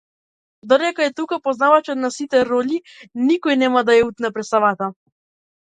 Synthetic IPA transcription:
d̪ɔɾɛkɔɛt̪ukapɔznavat͡ʃɔt̪nasit̪ɛɾɔʎinikɔjnɛmad̪ajɛut̪napɾɛt̪savat̪a

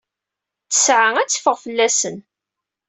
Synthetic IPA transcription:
t͡sə̥sʕaŋæt͡sːfəʁfəlːæsən

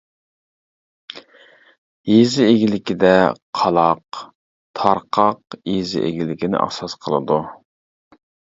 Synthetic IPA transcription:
jezɪeɡʲilɪkʲid̪ɛqʰɑlˠɑq | t̪ʰɑɾqʰɑqjezɪ̰ʔḛɡʲilɪkʲɪnɪ̰ʔɑ̰sɑsqʰəlˠɨ̰d̪u

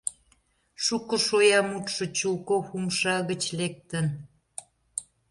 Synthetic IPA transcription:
ʃukə̆ʃojɑmut̪ʃə̆t͡ɕulkoxumʃɑɣət͡ɕlek̚t̪ən

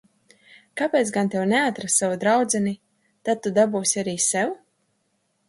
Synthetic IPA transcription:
kapʲeːt̪sɡant̪ɛwnɛat̪ɾasːavud̪ɾawd̪zɛni | t̪ad̪̚t̪ːud̪abuːsʲiaɾiːsɛw

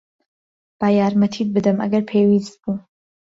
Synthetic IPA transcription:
b̥aːjaːɾmɐt̪ʰid̪̚bɨd̪ɨmʔɐ̰ɡɐɾpʰewist̪̚buː

